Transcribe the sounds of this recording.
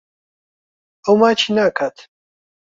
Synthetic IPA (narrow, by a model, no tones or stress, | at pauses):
əwmaːt͡ʃʰiːnaːkʰaːt̪ʰ